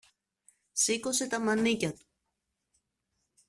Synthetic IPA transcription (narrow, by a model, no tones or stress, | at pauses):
siko̞se̞t̪ɐmɐnicɐt̪u̥